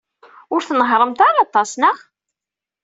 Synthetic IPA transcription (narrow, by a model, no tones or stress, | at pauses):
ʊɾθnəɦɾˤəmt̪aɾɑt̪ˤːɑsnəχ